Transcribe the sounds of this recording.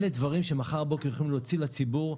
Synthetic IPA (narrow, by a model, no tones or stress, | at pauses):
led̪vaʁimʃe̞maχaʁbo̞koχlimleot͡silat͡sibuʁ